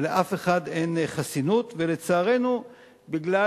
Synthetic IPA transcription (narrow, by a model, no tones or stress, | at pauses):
leʔafe̞χade̞nχasinut̪vele̞t͡saːʁe̞nu | biɡla